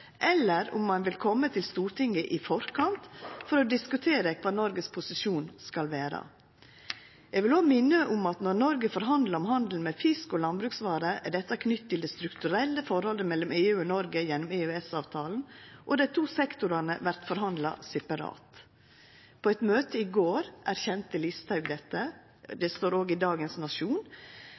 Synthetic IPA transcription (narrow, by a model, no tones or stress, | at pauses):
ʔɛlːəɾʊ̰mːɑnʋɪlkʰɔmːət̪ʰɪlst̪uːɾʈ̪ɪŋːəʔɪfɔɾkʰɑnt̪fɔɾɔd̪ɪskʉt̪ʰeːɾəkʰʋɑːnɔɾɡəspʰʊsɪʂuːnskɑlʋæːɾɑ̰ | jɛɡʋɪloːmɪnːəʔʊmɑt̪nɔɾnɔɾɡəfɔɾɦɑnd̪lɑɾɔmɦɑnd̪l̩mɛfɪskɔlɑnbɾʉːksʋɑːɾəæɖɛt̪ːɑkʰnʏt̪ːt̪ːɪld̪ɛst̪ɾʉkt̪ʉɾɛlːəfɔɾhɔlːəmɛlːɔmeːʉːɔnɔɾɡəjɛnːɔmeːʉːɛsɑːʋt̪ʰɑːln̩ʔɔd̪ɛt̪ʰuːsɛkt̪ʊɾɑnəʋæɾt̪fɔɾɦɑnd̪lɑ̰sɛpɑɾɑ̰ːt̪ | pʰoɛt̪møːt̪ʰəiɡoːɾʔæɾçɛnt̪əlɪst̪ʰɑʉɡd̪ɛt̪ːə | d̪ɛst̪oːɾoːɡɪd̪ɑːɡənsnɑʂuːn